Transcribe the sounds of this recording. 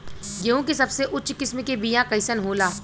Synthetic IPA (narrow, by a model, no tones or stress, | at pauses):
jɐũkesɐbseʔʊtːt͡ʃkɪsmekebijãkɐɪsənɦoːlaː